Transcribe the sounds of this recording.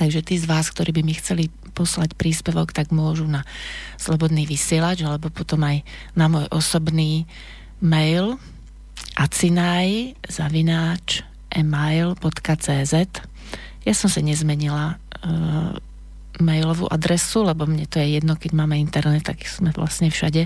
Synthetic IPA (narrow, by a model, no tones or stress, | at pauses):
t̪aɡʒɛt̪iːzʋaːskt̪ɔɾʔiːbimixt͡sɛli | pɔslacpɾiːspɛʋɔkt̪aɡmʊɔʒunaslɔbɔd̪niːʋisɪɛlad͡ʒalɛbɔpɔt̪ɔmaj | namʊɔjʔɔsɔbniː | mɛjl | ʔat͡sinajzaʋinaːt͡ʃ | ʔɛmajlbɔt̪kat͡sɛːzɛt̪ | jasɔmsaɲɛzmɛɲila | mɛjlɔʋṵːʔad̪ɾɛsulɛbɔmɲɛt̪ɔjɛjɛd̪nɔkɛɟmaːmɛint̪ɛɾnɛt̪ːa̰ɡz̥mɛʋlʔa̰sɲɛfʃa̰ɟɛ